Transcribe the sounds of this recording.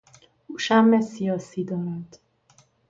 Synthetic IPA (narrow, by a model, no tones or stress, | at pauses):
uʃamːɛsiɒsid̪ɒɾad̪